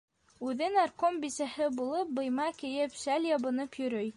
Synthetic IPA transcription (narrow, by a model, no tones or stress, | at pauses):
ʉðɘnɑrkombisæhɘbulˠɤp̚bɤ̆jmɑkĭjɘpʃælʲjɑβɤ̆nɤpjɵ̆ɾɵj